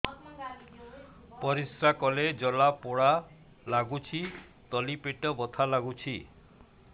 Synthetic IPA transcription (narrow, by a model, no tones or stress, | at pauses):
pɔɾisɾakɔled͡ʒɔlapɔɽa | laɡut͡ʃʰi | t̪ɔlipeʈɔbɔt̪ʰalaɡut͡ʃʰi